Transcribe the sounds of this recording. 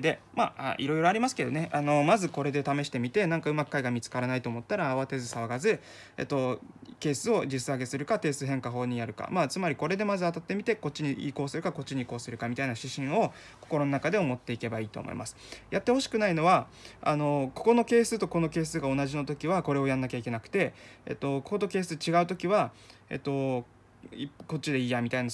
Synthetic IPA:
d̪e̞maa̰ʔiɾo̞iɾo̞aɾʲimasɨ̥ke̞d̪o̞̰neʔano̞mazɨko̞ɾe̞d̪e̞t̪ame̞ɕi̥t̪e̞mʲit̪e̞nãŋkaɯ̟makɯ̥kaiɡamʲit͡sɨ̥kaɾanait̪o̞ːmot̪ːaɾaːβat̪e̞zɨsaβaɡazɨ | ḛt̪ːo̞ke̞ːsɨo̞d͡ʑisɨaɡe̞sɨɾɯ̟kat̪e̞ːsɨɦẽŋkaɦo̞ːɲ̟ijaɾɯ̟ka̰mat͡sɨmaɾʲiko̞ɾe̞d̪e̞mazɨat̪at̪ːe̞mʲit̪e̞ko̞t͡ɕːiɲ̟iḭːko̞ːsɨɾɯ̟kako̞t͡ɕːiɲ̟iko̞ːsɨɾɯ̟kamʲit̪ainaɕiɕĩɰ̃o̞ | ko̞̥ko̞ɾo̞no̞nakad̪e̞omo̞t̪ːe̞ike̞baiːt̪o̞̰mo̰ḭmʔasɨ̥jat̪ːeho̞ɕi̥kɯ̟naino̞βa | a̰no̞ko̞̥ko̞no̞ke̞ːsɨt̪o̞ko̞no̞ke̞ːsɨɡao̞naʑino̞t̪o̞kʲiβako̞ɾe̞o̞janːakʲaike̞nakɯ̟̥t̪e̞ḛt̪ːo̞kokot̪o̞ke̞ːsɨt͡ɕiɡaɯ̟t̪o̞kʲiβa | ḛt̪ːo̞ | iko̞t͡ɕid̪e̞iːjamʲit̪aina

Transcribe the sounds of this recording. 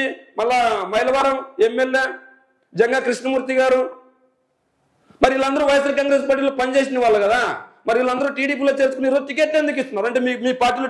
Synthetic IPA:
imɐlːaːmɐjlɐʋaːɾɐmemːeljeː | d͡ʒɐŋɡaːkɾiʂɳɐmuːɾt̪iɡaːɾu | mɐɾilːɐnd̪ɐɾuːʋɐjɐs̬ɐɾkaːŋɡɾe̞ːspaːɾʈ̬iːloːpɐnit͡ʃeːsinɐʋaːɭːɐɡɐd̪aːmɐɾilːɐnd̪ɐɾuːʈiːɽiːp̬iːlo̞ːt͡ʃe̞ːɾt͡ʃukuniɾot̪ik̬eːʈlend̪uk̬ist̪unːaːɾɐɳʈe̞ːmiːkumiːpaːɾʈːiːlo

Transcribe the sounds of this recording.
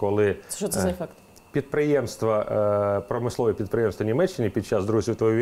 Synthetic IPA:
kɔlˠɪɔɛfɛkt̪ | pʲid̪̚pɾɪjɛmst̪ʋɐpɾɔmɪslˠɔʋpʲid̪̚pɾɪjɛmst̪ʋɐnʲimɛt͡ʃːɪnʲipʲid̪̚t͡ʃazd̪ɾuzʲiwt̪ʋɔiʋʲi

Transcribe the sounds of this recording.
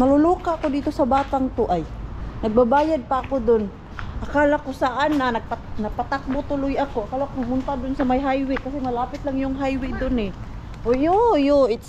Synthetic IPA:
nalʊluːkaakod̪iːt̪osabaːt̪aŋt̪ʊʔajnaɡ̚babaːjad̪̚paʔːkod̪ʊn | ʔakalakosaʔananaɡ̚panaɡ̚pat̪ak̚bʊt̪ʊlʊjakoʔakalakonaɡmʊnt̪ad̪ʊnsamajɦajwɪkasemalaːpɪt̪laŋjʊŋɦajwɪd̪ʊnɪ | ʔojojoɪt̪s

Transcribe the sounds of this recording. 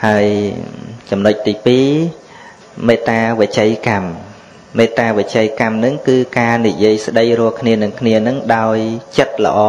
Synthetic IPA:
haəj | t͡ɕɑmnoc̚t̪iːpiː | meːt̪aːʋət͡ɕəjkam | meːt̪aːʋət͡ɕəjkamnɨŋkɨːkaːnijiəjsɗəjrʊ̆əlkʰniənɨŋkʰniənɨŋɗaɔjt͡ɕət̪̚lə̰̆ʔɑː

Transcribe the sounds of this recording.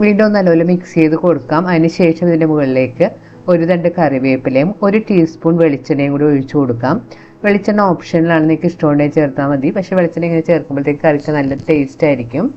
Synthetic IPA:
ʋiːɳɖeo̞nːɐlːɐʋolumiksje̞jðɨko̞ɽukːaːmɐðinɨɕe̞ːʂɐmiðindemuɣɐɭile̞ːkːɨ | o̞ɾuðɐɳɖekɐriʋeːpːilejumo̞ɾuʈiːspuːɳʋe̞ɭit͡ɕːɐnɖeŋːoːɽioɻit͡ɕːɨko̞ɽukːaːm | ʋe̞ɭit͡ɕːɐɳːɐoːpʂɐnːilaːɳenːiikːɨsʈo̞ːɳɖemt͡ɕe̞ːrt̪ːaːmɐd̪ipɐkʂe̞ːʋeɭit͡ɕːɐneŋːɐnet͡ɕe̞ːrkːumboɭt̪ːeːkːɨɐrit͡ɕːɐnɐlːɐte̞ːstaːjiɾikʲːum

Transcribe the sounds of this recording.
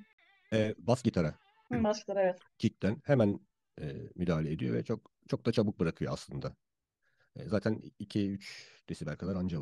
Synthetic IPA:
ɛːbascit̪ʰaɾa | baskit̪aɾaevɛt̪ | cʰic̚t̪ʰænhemæn | ɛːmyd̪aːlʲed̪ḭjo̞̰vɛ̰t͡ʃʰokt͡ʃʰo̞k̚d̪at͡ʃʰabɯk̚bɯɾakʰɯjoaslˠɯnd̪a | ɛ̰ːzaːt̪ʰænicʰiyt͡ʃd̪̥esibælʲkʰad̪aɾand͡ʒal

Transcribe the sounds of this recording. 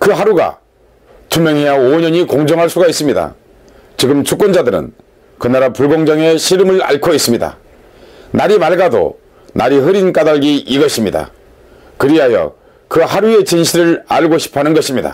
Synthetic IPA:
kɯɦaɾuɡa̰ | tʰumjʌŋɦe̞jaoɲʌɲikoŋd͡ʑʌŋɦaɭs͈uɡais͈ɯmɲida̰ | t͡ɕiɡɯmt͡ɕʰuk͈ʌnd͡ʑadɯɾɯ̰n | kɯnaɾapuɭɡoŋd͡ʑʌŋe̞ɕʰiɾɯmɯɾa̰ɭkʰois͈ɯmɲida̰ | naɾimaɭɡado̰ | naɾiɦɯɾink͈adaɭɡiʔiɡʌɕʰimɲida̰ | kɯɾiɦajʌ̰ | kɯhaɾue̞t͡ɕinɕʰiɾɯɾa̰ɭɡoɕʰi̥pʰanɯnɡʌɕʰimɲida̰

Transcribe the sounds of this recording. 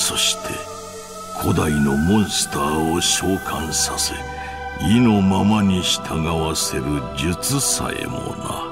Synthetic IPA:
so̞ɕi̥t̪ʰe̞̰ | kʰo̞d̪aino̞mõ̞ɰ̃sɨ̥t̪aːoɕoːkʰãɰ̃sase | ino̞mamaɲ̟iɕi̥t̪ʰaɡaβase̞ɾɯ̟d͡ʑɨt͡sɨsa̰ḛmo̰na̰

